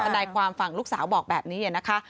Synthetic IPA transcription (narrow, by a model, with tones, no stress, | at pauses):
a˧naː˧jkʰwaː˧mfa˨˩ŋluː˦˥k̚saː˩˦wbɔː˨˩k̚bɛː˨˩p̚niː˦˥ʔa˨˩na˦˥kʰa˦˥